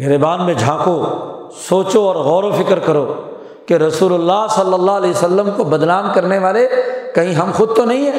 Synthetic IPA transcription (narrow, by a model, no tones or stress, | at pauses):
ɡɪɾebaːnmẽd͡ʒʱãːko | soːt͡ʃoɔːɾɣɔːɾofɪkəɾkɐɾoː | keɾɐsuːlʊlːaːɦsɐlːəlːaɦɐlɛːsəlːəmkobɐd̪naːmkɐɾneʋaːlekɐɦĩɦɐmxʊd̪̚t̪onɐɦĩɦɛː